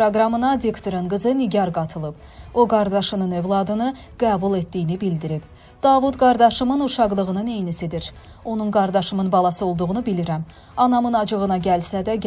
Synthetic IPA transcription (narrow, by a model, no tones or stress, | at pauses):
pɾoɡɾɑmɯnɑd̪ikt̪ʰoɾɯnɡɯzɯniɟɑɾɡɑt̪ʰɯlˠɯb | o̞ɡɑɾd̪ɑʃɯnɯnø̞vlˠɑd̪ɯnɯ | ɡ̥æːbulˠe̞t̪d̪ijinibild̪iɾib | d̪̥ɑːvut̪ɡɑɾd̪ɑʃɯmɯnuʃɑʁlˠɯʁɯnɯnejnisid̪iɾ | o̞nunɡɑɾd̪ɑʃɯmɯnbɑlˠɑsɯo̞lˠd̪uʁunubiliɾæm | ɑnɑmɯnɑd͡ʒɯɣɯnɑɟælsæd̪æ